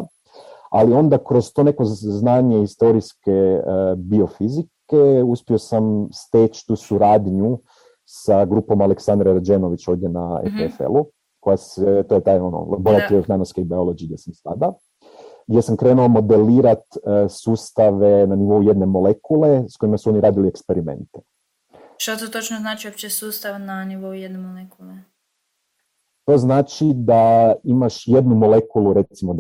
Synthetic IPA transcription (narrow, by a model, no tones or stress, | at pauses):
alio̞nd̪akɾo̞zt̪o̞ne̞ko̞znaːɲeist̪o̞ɾiske̞bio̞fizikeuspio̞samst̪eːt͡ʃt̪uːsuɾaːd̪ɲu | saɡɾuːpo̞maleksand̪ɾeɾad͡ʒeno̞ʋit͡ʃo̞ːʋd̪je̞naḛfefḛlu | ko̞jaset̪o̞jet̪aːjo̞no̰bojat̪ioznaːnoskeibiolod͡ʒiɡd̪ʲje̞samst̪a̰d̪a | ɡdʲje̞samkɾe̞ːnulamo̞d̪e̞liːɾat̪suːst̪aʋe̞naniʋo̞uje̞d̪ne̞mo̞le̞kule̞sko̞imasuo̞niɾaːd̪iliekspe̞ɾime̞̰nt̪e̥ | ʃt̪ot̪ot̪ot͡ʃnoznaːt͡ʃiopt͡ʃesuːst̪aʋnaniʋo̞ujed̪nemolekule | t̪o̞znaːt͡ʃid̪aimaʃje̞d̪numo̞le̞kuluɾe̞t̪simo